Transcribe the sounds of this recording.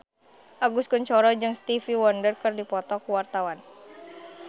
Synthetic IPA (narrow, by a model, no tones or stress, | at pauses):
ʔaɡuskuɲt͡ʃɔɾɔd͡ʒɨŋst̪ifiwɔndərkɨrdipɔt̪ɔkuwart̪awan